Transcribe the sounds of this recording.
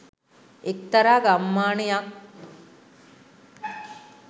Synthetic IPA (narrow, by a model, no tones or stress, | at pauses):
ekt̪aɾaːɡamːaːɳejak